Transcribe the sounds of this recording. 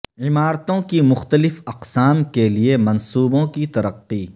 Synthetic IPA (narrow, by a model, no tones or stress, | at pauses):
ʕɪmaːɾt̪õkimʊxt̪əlɪfɐqsaːmkeliemɐ̃nsuːbõkit̪ɐɾɐqːiː